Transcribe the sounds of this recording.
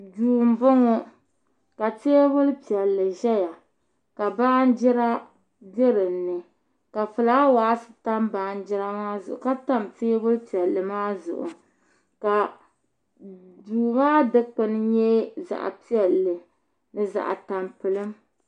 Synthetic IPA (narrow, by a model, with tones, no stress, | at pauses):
duː˨m̩˨bʊ˦ŋo˦ | ka˨teː˦bʊ˦lpi˨ɛ˨lːɨ˨ʒɛ˦ja˨ | ka˨baː˦n˦d͡ʒɪ˦ɾa˦ | be˦ɾɨ˨mnɨ˨ | ka˨fɨ˨la˦waː˨˦sɨ̥˨ta˦mba˨˦˨n˦d͡ʒɪ˦ɾa˦maː˦zʊ̰˨ʔʊ̰˨ka˦ta˦mteː˦bʊ˦lpi˨ɛ˨lːɨ˨maː˦zʊ̰˨ʔʊ̰˨ | ka˨ | duː˨maː˦dɨ˦k͡pɨ˦nɨ˦ɲɛ˦za̰˨ʔa̰˨pi˦ɛ˨lːɨ˨ | nɨ˦za̰˨ʔa̰˨ta˨mpɨ˨lɨ˦m